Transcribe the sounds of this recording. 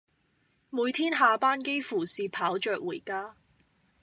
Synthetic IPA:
muː˨˧jt̪ʰiː˥nɦaː˨˧paː˥nke˥jfuː˨˩siː˨pʰaː˨˥wt͡ʃœː˨k̚wuː˨˩jkaː˥

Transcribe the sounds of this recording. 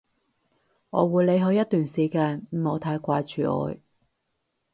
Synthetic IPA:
ŋɔː˨˧wuː˨˧jle˨˧jɦɵ˧ɥjɐ˥t̪̚yː˨˩nsiː˨˩kaː˧nm̩˨˩mo˨˧wt̪ʰaː˧jkʷaː˧jt͡ʃyː˨ʔɔ̰ː˨˧j

